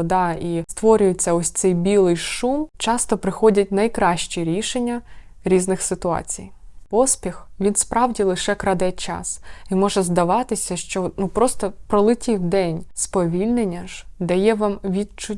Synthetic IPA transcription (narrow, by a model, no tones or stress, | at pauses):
ɔd̪ɑist̪ʋɔɾʲʊjet͡sʲːɐɔsʲt̪sɛjbʲilˠɪjʃumt͡ʃɑst̪ɔpɾɪxɔdʲɐt̚ʲnɐjkɾɑʃt͡ʃʲiɾʲiʃenʲːɐ | ɾʲiznɪxsɪt̪ʊɑ̰t͡sʲḭjpɔspʲixʋʲinspɾʔɑwdʲilˠɪʃɛkɾɐd̪ɛt͡ʃɑ̰simɔʒɛzd̪ɐʋɑt̪ɪsʲɐʃt͡ʃɔnupɾɔst̪ɔpɾɔlˠɪtʲiwd̪ɛnʲspɔʋʲilʲnenʲːɐʒd̪ɐjɛʋɑmʋʲid̪t͡ʃʊ